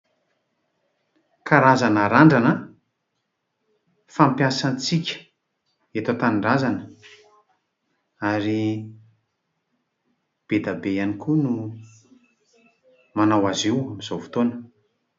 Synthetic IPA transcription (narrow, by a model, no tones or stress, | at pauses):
kʰaɾazanəɾaɳɖ͡ʐanə | fampjasant͡sikʲə̥ | et̪at̪anɳɖ͡ʐazanə | aɾi | b̥ed̪abejanikʰunu | manawaziwamizowvu̥t̪onə̥